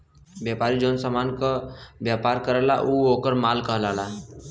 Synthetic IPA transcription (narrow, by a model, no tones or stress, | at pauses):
bjapaːɾid͡ʒoːnsamaːnkəbjapaɾkəɾəla̰ʔuokəɾmaːlkəɦlaːla